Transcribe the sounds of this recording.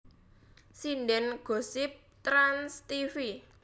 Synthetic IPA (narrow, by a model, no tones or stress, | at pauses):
sinɖɛnɡ̥o̤sɪp̚t̪ɾanst̪ifi